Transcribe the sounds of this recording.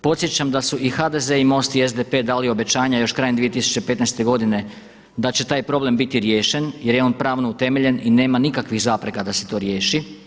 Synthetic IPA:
po̞t̪sje̞t͡ɕamd̪asuʔixad̪e̞ze̞imo̞ːst̪ie̞zd̪epe̞d̪aːlio̞be̞t͡ɕaːɲajo̞ʃkɾaje̞nd̪ʋijet̪isu̥t͡ɕepe̞t̪najst̪e̞ɡo̞d̪ine̞ | d̪at͡ɕe̞t̪aːjpɾo̞ble̞mbit̪iɾje̞ːʃe̞njeɾjeo̞ːnpɾaːʋnout̪e̞me̞ʎe̞nine̞ːmanikakʋixzaːpɾe̞kad̪ase̞̥t̪o̞ːɾje̞ːʃi

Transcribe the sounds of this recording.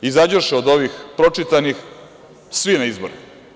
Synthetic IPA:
izad͡ʑoʃeod̪o̞ʋixpɾo̞t͡ʂit̪anix | sʋinaizboɾe

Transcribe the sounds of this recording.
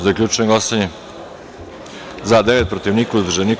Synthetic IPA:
zaklʎʲuːt͡ʃneɡost̪aɲe | zad̪eʋet̪̚pɾot̪iʋniːkauzd̪rʒenik

